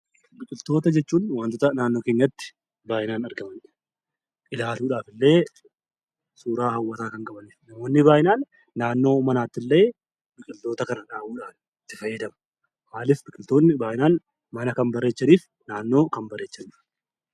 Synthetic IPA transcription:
bɪkʼɪlt̪o̞ːt̪ɐd͡ʒɛt͡ʃːuːnwant̪oːt̪ɐnaːnːo̞ːke̞ːɲːɐt̪ːɪ̥ | baːʔɪnaːnɐɾɡɐmɐn | ʔɪlaːluːᶑaːfɪlːe̞ː | suːɾaːɦɐwːɐt̪aːkɐŋkʼɐbɐniːfnɐmo̞ːnːɪbaːʔɪnaːnː | aːnːo̞ːmɐnaːt̪ːɪlːe̞ː | bɪkʼɪlt̪o̞ːt̪ɐkɐnɐᶑaːwuːᶑaːf | ɪt̪ːɪfɐjːɛd̪ɐmɐ̥ | maːlɪfbɪkʼɪlt̪o̞ːnːɪbaːʔɪnaːn | mɐnɐkɐnbɐrːe̞ːt͡ʃːɐniːf | naːnːo̞ːkɐmbɐrːe̞ːt͡ʃːɐniːf

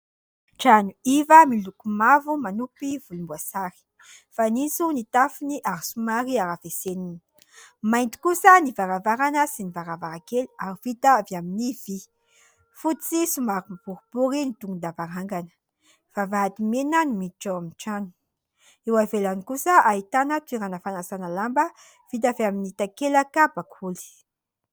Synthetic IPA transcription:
ʈ͡ʂanuivəmilukumavumanupivulumbuasaɾi̥ | fanisunit̪afiniʔaɾisumaɾiaɾavesenini̥ | majnt̪i̥kusənivaɾavaɾanəsinivaɾavaɾakeliaɾivit̪aviaminiv̥i | fut͡sisumaɾimapuɾubuɾinit̪uŋɡund̪avaɾaŋɡanə̥ | v̥avaɦat̪imenanimiʈ͡ʂaamiʈ͡ʂanu̥ | ewavelanikusəait̪anət̪wiɾanəfanasanəlambə | v̥it̪̬aveaminit̪akelakabakʰuli̥

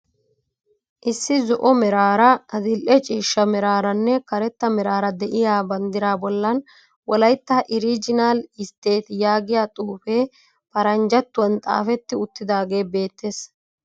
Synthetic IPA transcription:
ʔɪsːɪzɔʔɔmɛɾaːɾɐɐd̪ɪlʔɛt͡ʃʼiːʃːɐmɛɾaːɾɐnːɛkɐɾɛt̪ːɐmɛɾaːɾɐd̪ɛʔɪjaːbɐnd̪ɪɾaːbɔlːɐn | wɔlɐjt̪ːɐʔɪɾiːd͡ʒɪnaːlɪst̪e̞ːt̪jaːɡɪjaːt̪ʼuːfe̞ː | pɐɾɐnd͡ʒɐt̪ːʊwɐnt̪ʼa̰ːfɛt̪ːɪʊt̪ːɪd̪aːɡe̞ːbe̞ːt̪ːes

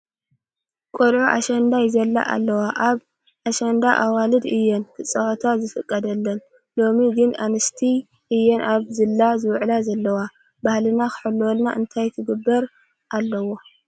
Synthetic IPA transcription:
kʼolʕuʔa̰ʃɐnd̪ajzɐlːa̰ʔa̰lːɐwaʔaβ | ʔaʃɐnd̪aʔawalɨd̪ɨjːɛnk̪ʰɨt͡sʼɐwɐt̪ʰazɨfɨkʼːɐd̪ɐlːɐn | lo̞miɡɨnanɨst̪ʰi | ʔɨjːɛnʔaβzɨlːazɨwʕlazɐlːɐwa | bahlɨnaxɨ̥ħɨlːwɔlna̰ʔɨnt̪ʰajt̪ʰɨɡɨbːɐɾ | ʔalːɐwo̞

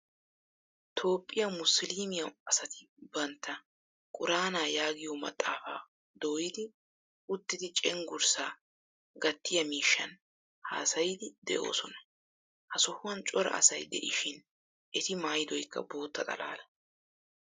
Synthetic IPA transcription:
t̪ʰo̞ːpʼːɪjɐmʊsliːmɪjɐwɐsɐt̪ɪ̥ | bɐnt̪ːɐ | kʼʊɾaːnaːjaːɡɪjomɐ̰t̪ʼːaːfa̰ː | d̪o̞ːjɪd̪ɪ | ʊt̪ːɪd̪ɪt͡ʃʼɛŋɡʊɾsaː | ɡɐt̪ːɪjɐmiːʃːɐn | ha̰ːsɐjɪd̪ɪd̪ɛ̰ʔo̞̰ːsɔnɐ̥ | hɐsɔhʊwɐnt͡ʃʼɔɾɐ̰ʔɐ̰sɐjd̪ɛ̰ʔɪʃɪn | ʔɛt̪ɪmaːjd̪ɔjkːɐ̰bo̞ːt̪ːɐt̪ʼɐ̰la̰ːlɐ

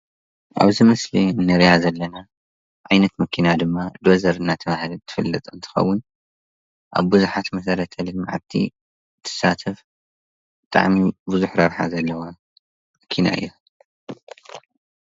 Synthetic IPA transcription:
ʔa̰βzimɐslinːɐɾjazɐlːɐna | ʕajnɐt̪mɐkʰinad̪ɨmːad̪ozɐɾɨnːat̪ʰɐβahɨlt̪ʰɨ̥fɨlːɐt̪ʼɨnt̪ʰɨ̥xɐ̰wːʊn | ʔa̰βbuzuħat̪mɐsɐɾɐt̪ʰɐlɨlma̰ʕa̰t̪ʰḭ | t̪ʰːɨ̥sat̪ʰɐf | bɨt̪ʼa̰ʕmibuzuħɾɐβħa̰zɐlːɐwa | mɐkʰina̰ʔɨ̰jːu

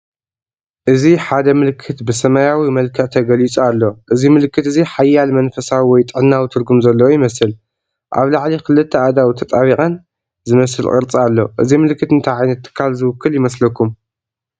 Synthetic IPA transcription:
ʔɨziħad̪ɐmɨlkʰːɨt̪bɨsɐmajawimɐlkʰɐʕt̪ʰɐɡɐlit͡sʼualːo̞ʔɨzimɨlkːɨt̪ɨziħajːalmɐnfɐsawiwɔjt̪ʼɨʕnːawit̪ʰɨɾɡumzɐlːɐwojɪmɐsɨl | ʔa̰βlaʕlikɨlɨt̪ʰːɐad̪awt̪ʰɐt̪ʼaβiχʼɐn | zɨmɐsɨlkʼɨ̰ɾt͡sʼialːo̞̰ʔɨzimɨlkʰːɨt̪ɨnt̪ʰajʕajnɐt̪ʰːɨ̥kʰːalzɨwʊkʰːɨljɪmɐslɐkʰːum

